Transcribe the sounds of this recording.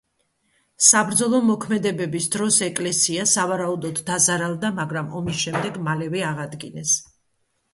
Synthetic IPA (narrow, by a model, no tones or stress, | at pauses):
sabɾd̪zɔlˠɔmɔkʰmɛd̪ɛbɛbisd̪ɾɔsɛkʼlɛsiasavaɾaud̪ɔd̪ːazaɾalˠd̪amaɡɾamɔmisʃɛmd̪ɛɡmalɛvɛaʁad̪ɡinɛs